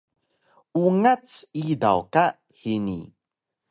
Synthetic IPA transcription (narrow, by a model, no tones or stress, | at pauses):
uŋat͡sida̰wka | hinḭ